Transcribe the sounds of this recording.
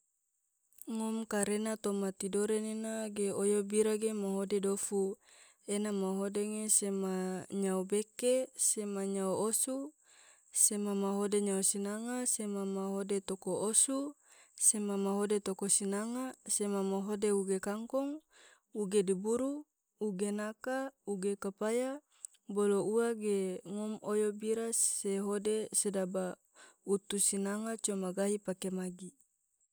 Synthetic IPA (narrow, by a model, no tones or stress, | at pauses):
ŋomkaɾenat̪omat̪idoɾenenaɡeojobiɾaɡemaɦodedofu | enamaɦodeŋesemaɲaubekesemaɲauosu | semamaɦodeɲausinaŋasemamaɦodet̪okoʔosu | semamaɦodet̪okosinaŋasemamaɦodeuɡekaŋkɔŋ | uɡedibuɾu | uɡenakauɡekapaja | bolouaɡeŋomojobiɾaseɦodesedaba | ut̪usinaŋat͡ʃomaɡaɦipakemaɡi